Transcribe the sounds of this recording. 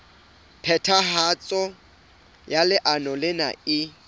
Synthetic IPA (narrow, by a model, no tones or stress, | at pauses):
pʰɛtʰahat͡sʼɔ | jalɪʔanɔlɪna̰ɪ